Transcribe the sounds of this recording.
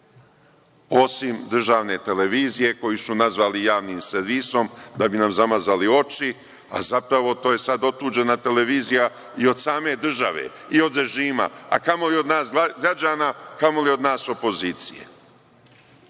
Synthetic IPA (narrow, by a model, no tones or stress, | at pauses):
o̞simd̪r̩ʒaːʋne̞t̪e̞le̞ʋiːzije̞ko̞jisunazʋaːlijaːʋniːmseɾʋiso̞md̪abinamzamazalio̞t͡ʃi | a̰zapɾaʋo̞t̪oːje̞sad̪o̞t̪uːd͡ʒe̞nat̪e̞le̞ʋiːzija | io̞d̪saːme̞d̪r̩ʒaʋe̞̰ | io̞d̪ɾe̞ʒiːma̰a̰kamo̞lio̞d̪naːsɡɾad͡ʑaːnakamo̞lio̞d̪naːso̞po̞ziːt̪sijḛ